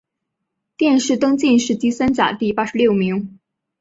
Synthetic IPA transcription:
t̪jɛ˥˧nʂɻ̩˥˩t̪ɤ˥ŋt͡ɕi˥˧nʂɻ̩˥˩t̪i˥˩sa˥nt͡ɕja̰˨˩t̪i˥˩pa˥ʂɻ̩˧ljo˥˩mi˧˥ŋ

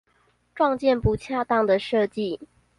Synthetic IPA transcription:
ʈ͡ʂwɑ˥˧ŋt͡ɕjɛ˥˨npu˨˦t͡ɕʰja˥˧t̪ɑ˥˩ŋd̪ə˨ʂɤ˥˧t͡ɕi˥˨

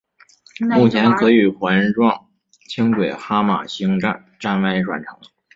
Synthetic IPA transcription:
mu˥˩t͡ɕʰjɛ˧˥nkʰɤ˧˥y˨˩xwa˧˥nʈ͡ʂwɑ˥˩ŋ | t͡ɕʰi˥ŋkwe˨˩ɪxa˥ma̰˨˩ɕi˥ŋʈ͡ʂa˥˧n | ʈ͡ʂa˥nʋe˥˩ɪʈ͡ʂwa̰˨˩nʈ͡ʂʰɤ˧˥ŋ

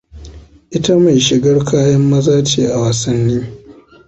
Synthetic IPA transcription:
ʔɪ˦ta˦ma˨jʃɪ˨ɡɐ˦rkʰaː˦jɐ˦mːɐ˦zaː˦t͡ʃeː˨ʔa˨waː˨sɐ˦nːiː˦

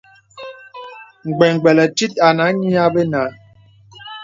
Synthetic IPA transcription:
ŋ̩˨ɡ͡bɛ˨ŋ˨ɡ͡bɛ˨lɛ˨ti˦t̚a˨na˨˦ɲi˦a˦be˦na˨˦

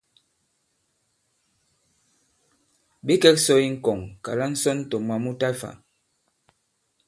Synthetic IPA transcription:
bi˦kɛ˦ksɔ˦i˦ŋ̩˦kɔ˨ŋka̰˨la˦n̩˦sɔ˦n̩˦to˨ma˨mu˦ta˦fa̰˨

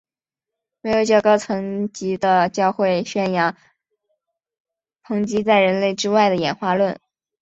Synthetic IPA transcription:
me˧˥ɪjo˨˩ʊʈ͡ʂɤ˥˩kɑ˥t͡sʰɤ˧˥ŋt͡ɕi˧˥d̪ə˧t͡ɕjɑ˥˧ʊxwe˥˩ɪɕɥɛ˥njɑ˧˥ŋ | pʰɤ˧˥ŋt͡ɕi˥t͡sa˥˩ɪɻə˧˥nle˥˩ɪʈ͡ʂɻ̩˥wa˥˩ɪd̪ə˩jɛ̰˨˩nxwa˥˧lwə˥˩n

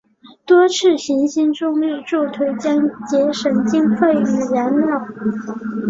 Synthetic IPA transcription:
t̪wɔ˥ʈ͡ʂʰɻ̩˥˩ɕi˧˥nɕi˥nʈ͡ʂʊ˥˧ŋli˥˧ʈ͡ʂu˥˩t̪ʰwe˧˥ɪt͡ɕjɑ˥ŋt͡ɕjɛ˧˥ʂə˧˥nt͡ɕi˥ŋfe˥˩ɪy˨˩ɻɛ˧˥nlɑ˥˩

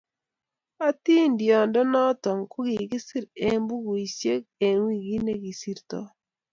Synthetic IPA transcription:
a˦ti˦ndjɔ˨ndɔ˦nɔ˦tɔ˨ŋko˦ɣi˨kɪ˦sɪ˦ɾe˦mbu˦ku˨i˨sje˦k̚e˨ŋwi˦˨ɡi˦ne˦ki˨si˦ɾtɔ˦

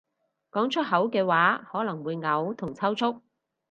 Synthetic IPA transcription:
kɔː˨˥ŋt͡ʃʰɵ˥t̚hɐ˨˥wkɛː˧waː˨˥hɔː˨˥lɐ˨˩ŋwuː˨˧jŋɐ˨˧wt̪ʰʊ˨˩ŋt͡sʰɐ˥wt͡sʰʊ˥k̚

